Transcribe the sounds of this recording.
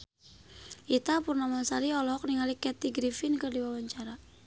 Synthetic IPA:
ʔit̪apurnamasaɾiɔlɔɦɔk̚niŋalikɛt̪iɡɾifinkərdiwawaɲt͡ʃaɾa

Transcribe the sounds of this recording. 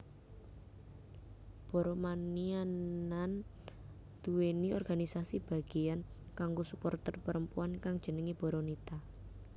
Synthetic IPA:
b̥ɔ̤ɾɔmanianan | d̪̥uweniɔrɡ̥anisasib̥a̤ɡ̥ian | kaŋɡosupɔrt̪ərpəɾəmpuankaŋd̥ʒ̥ə̤nəŋib̥ɔ̤ɾɔnit̪a

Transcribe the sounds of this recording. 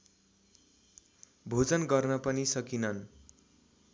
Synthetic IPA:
bʱod͡zʌnɡʌrnʌpʌnisʌkinʌn

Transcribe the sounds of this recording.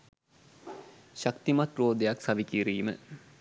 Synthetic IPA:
ɕakt̪imɐt̪roːd̪ejaksɐʋikiːɾiːmə

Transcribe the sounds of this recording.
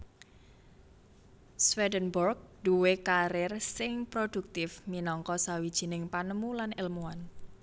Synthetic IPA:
swɛdənbɔrɡ̚d̥uwekaɾɪrsɪŋpɾod̥uk̚t̪ɪfminɔŋkɔsawid̥ʒ̥i̤nɪŋpanəmulanɪlmuan

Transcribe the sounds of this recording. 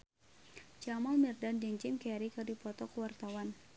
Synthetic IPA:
t͡ʃamalmirdandɛɲt͡ʃɪmkɛɾikɨdipɔt̪ɔkəwart̪awan

